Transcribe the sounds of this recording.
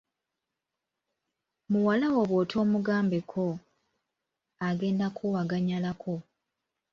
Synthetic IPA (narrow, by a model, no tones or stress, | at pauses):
muwalawo̞βwoːtʰo̞ːmuɡaːmbe̞kʰo̞ | aɡe̞ːndakʰuwaɡaɲalakʰo̞